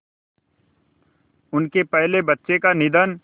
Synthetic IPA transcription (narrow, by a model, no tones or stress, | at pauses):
ʊnkepɛɦlebɐtːʃekanɪd̪ən